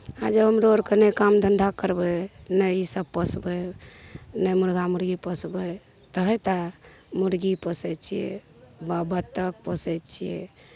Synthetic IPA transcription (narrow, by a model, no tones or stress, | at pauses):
ad͡ʒəbəmɾoɾkənəkamd̪ənd̪ʱakəɾbənəjisəb̚pəsbə | nəjmuɾɡamuɾɡipəsbə | t̪əɦət̪amuɾɡipəsɛt͡ʃʰijɛ̰ | babət̪ːək̚pəsɛt͡ʃʰijɛ̰